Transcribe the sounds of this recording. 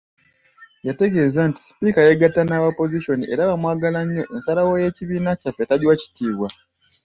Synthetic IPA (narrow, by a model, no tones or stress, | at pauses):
jate̞ɡe̞zanti̥si̥pikajeɡatanaβapo̞ziʃo̞niʔe̞ɾaβamwaːɡalaɲːo̞ʔensalawo̞je̞ciβiːnacafetaɟiwaci̥tʰiːβwa